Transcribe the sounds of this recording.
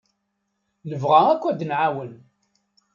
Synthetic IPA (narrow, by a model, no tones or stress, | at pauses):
nəvʁæækʷːæd̪nʕawən